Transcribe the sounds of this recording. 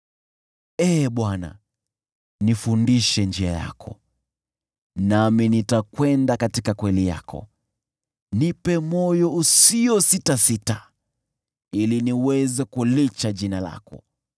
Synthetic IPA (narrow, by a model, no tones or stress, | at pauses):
ɛːɓwana̰ | nifundiʃɛnd͡ʒiaja̰kʰɔ̰ | naminitakwɛndakatikakwɛlija̰kʰɔ̰ | nipɛmɔjɔusiɔsitasita | iliniwɛzɛkulit͡ʃaʄinala̰kɔ̰